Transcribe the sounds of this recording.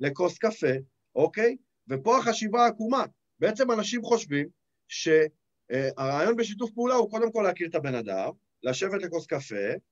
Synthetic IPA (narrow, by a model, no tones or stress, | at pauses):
le̞ko̞skafe̞ | ʔo̞ke̞j | vepo̞aχaʃivaːkuma | beet͡se̞manaʃimχo̞ʃvim | ʃe̞ | aʁaːjo̞nbe̞ʃ̬it̬ufpeulauko̞d̪e̞mko̞leakiʁt̪abe̞nad̪a̰m | laʃe̞vet̪le̞ko̞skafe̞